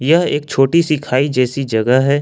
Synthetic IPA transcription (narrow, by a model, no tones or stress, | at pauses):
jɐɦeːk̚t͡ʃʰoːʈisikʰaːid͡ʒɛːsid͡ʒɐɡəɦɦɛː